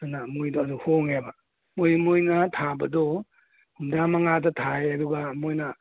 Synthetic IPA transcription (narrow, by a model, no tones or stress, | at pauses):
anamojdɔɐduhoŋebɐ | mojmojnɐtʰabɐdɔ | humdamɐŋadɐtʰajɐduɡɐmojnɐ